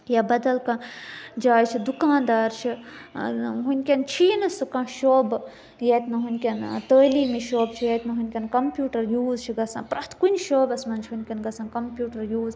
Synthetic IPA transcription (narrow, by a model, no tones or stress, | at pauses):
jabɐd̪ɐlkãːd͡ʒaːjt͡ʃʰid̪ukãːnd̪aːɾt͡ʃʰi | ɦunʲkʲɐnt͡ʃʰiːnɐsɨkãʃoːb | jet̪ʲnɐɦunʲkʲɐnt̪əːliːmiʃoːbt͡ʃʰijɐt̪nɐɦunʲkʲɐnkɐmpjuːʈɐɾjuːzt͡ʃʰiɡɐsã̰ːpɾɐt̪ʰkunʲʃoːbɐsmɐnt͡ʃʰɦunʲkʲɐnɡɐsãnkɐmpʲjuːʈɐɾjuːz